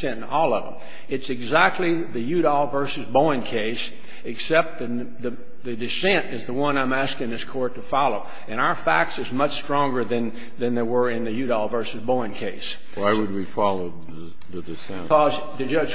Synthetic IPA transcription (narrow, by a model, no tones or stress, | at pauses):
sɛ̃ɾ̃nɔlˠʌvə̰̃m | ɨtsɨɡzæk̚tʰˡliðɨjʉɾɔlˠvɜ˞sɨzbõɪ̃nkʰeɪs | ɨksɛp̚t̪̚ðɨ | ðɨ | ðɨdɨsɛ̃ntɨzðəwʌ̃nãɪ̃mæskɪ̃ŋðɪskʰɔɹtʰɨfɑlˠoʊ | ɨ̃ɾ̃aʊə˞fæk̚tsɨzmʌt͡ʃstɹ̥ɔ̃ŋɡə˞ðɨ̃n | ðɨ̃nðeɪwə˞ɪ̃nðɨjʉɾɑlˠvɜ˞sɨzbõɪ̃nkʰeɪs | waɪwɨd̚wifɑlˠoʊ | ðɨdɨsɛ̃ɔz | ðɨd͡ʒʌd͡ʒ